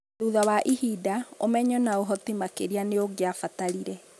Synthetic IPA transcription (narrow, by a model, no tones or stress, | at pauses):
ðuðawaʔihidaomɛɲɔnaoɦɔtimakeɾianeoɡeafataɾiɾɛ